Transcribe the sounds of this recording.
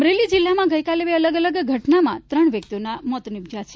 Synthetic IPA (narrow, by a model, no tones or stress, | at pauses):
əmɾelid͡ʒɪlːamãɡəjkaleʋeələɡələɡɡʱəʈnamã̰t̪ɾəɳʋjək̚t̪ionamɔt̪nɪbd͡ʒat͡ʃʰe